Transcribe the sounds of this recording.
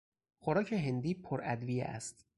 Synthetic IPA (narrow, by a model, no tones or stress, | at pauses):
xoɾɒːcʰeɦend̪iːpʰoɾæd̪vijḛʔæ̰st̪